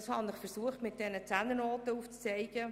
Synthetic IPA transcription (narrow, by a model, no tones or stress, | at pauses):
shɑnɪχfəɾsuəχtmɪt̚d̥ɛnət͡sænənoːt̪əuːft͡st͡sɛɪɡ̥ə